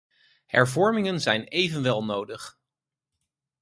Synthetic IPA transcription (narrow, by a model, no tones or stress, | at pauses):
hɛ̰ɹvɔɹmɪŋənzɛjnejvənʋɛlˠnowdəχ